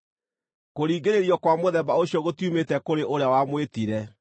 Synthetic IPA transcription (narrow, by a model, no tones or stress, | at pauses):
koɾiːɡeɾeɾjɔkwamoðɛbaoɕiɔɣotiumetɛkoɾeʔoɾeawamwetiɾɛ